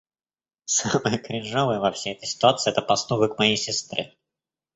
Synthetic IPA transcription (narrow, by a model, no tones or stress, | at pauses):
saməjəkɾʲɪʐovɨjəvɐfsʲejɛt̪əjsʲɪ̥t̪ʊat̪sɨɪɛt̪əpɐst̪uɡəkmɐjejsʲɪst̪ɾɨ̰